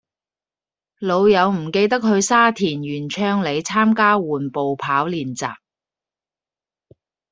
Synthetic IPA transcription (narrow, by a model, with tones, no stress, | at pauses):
lo˨˧wjɐ˨˧wm̩˨˩ke˧jt̪ɐ˥k̚ɦɵ˨˧ɥsaː˥t̪ʰiː˨˩njyː˨˩nt͡ʃʰœː˥ŋle˨˧jt͡sʰaː˥mkaː˥wuː˨˩npo˨wpʰaː˨˥wliː˨˩nt͡sa̰ː˨p̚